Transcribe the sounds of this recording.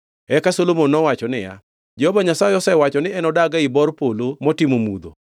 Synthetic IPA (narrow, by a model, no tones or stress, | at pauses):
ɛkasolomonːɔwat͡ʃɔnɪja̰ | d͡ʒɛhɔbaɲasaɪɔsɛwat͡ʃɔnɪɛnɔdaɡaɪbɔrpolomɔtɪmomud̪o̰